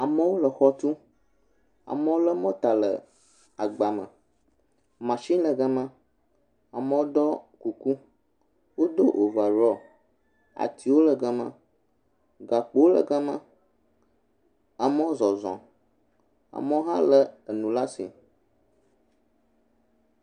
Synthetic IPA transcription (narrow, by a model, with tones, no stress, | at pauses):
a˨mə̃˦wo˦lə˨xɔ˦t̪u˦ | a̰˨mə̃˦wo˦lə˦mɔ̃˦t̪a˨lə̰˨ | a˨ɡ͡ba˨mə̰̃˨ | mã˨ʃĩ˦lə˨ɡa˦mã˦ | a˨mə˦wo˦d̪ɔ˦ku˨ku˦ | wo˦d̪o˦ʔo˨va˨ɾɔ˦ | a̰˨t̪ʰi˨wo˦lə˨ɡa˦mã̰˦ | ɡa˨k͡po˨˦o˦lə̰˨ɡə˦mə̰̃˦ | a˨mɔ̃˦zɔ˨zɔ̰̃˨ | a̰˨mɔ̃˦ɦã˦lə˦ə˨nũ˨la˦sḭ˨